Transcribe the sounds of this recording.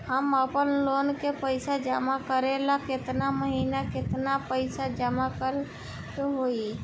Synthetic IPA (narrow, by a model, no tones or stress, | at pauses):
həməpənloːnkepəɪsad͡ʒamakəɾelakɪt̪naməɦiːnakɪt̪napəɪsad͡ʒəmakəɾ | keɦoi